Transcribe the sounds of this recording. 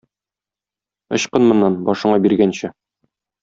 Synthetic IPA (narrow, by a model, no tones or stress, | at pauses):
ɤ̰̆ɕqɤnmŏnːɑnbɒʃɤ̆ɴɑbiɾɡænɕɘ